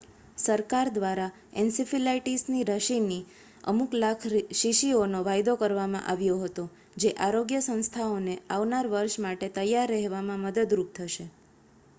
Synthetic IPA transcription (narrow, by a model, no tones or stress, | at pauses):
səɾkaɾd̪ʋaɾa | ensifilaiʈisniɾəʃini | ə̰muklakʰʃiʃionoʋajd̪okəɾʋamã̰ʔaʋjoɦət̪o | d͡ʒeʔaɾoɡjəsə̃ñst̪ʰaoneaʋnaɾʋəɾʃmaʈet̪əjːaɾːəɦʋamãməd̪əd̪ɾup̚t̪ʰəʃe